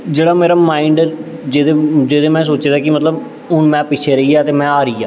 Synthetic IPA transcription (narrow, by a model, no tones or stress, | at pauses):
d͡ʒeːɽaːmeːɾaːmaːɪɳɖɾd͡ʒeːd̪eːd͡ʒeːd̪eːmɛ̃ːsoːt͡ʃeːd̪aːkɪmət̪ləb | ʊɳmɛ̃ːpɪt͡ʃʰeːɾəiːaːt̪eːmɛ̃ːaːɾəiːa̰ː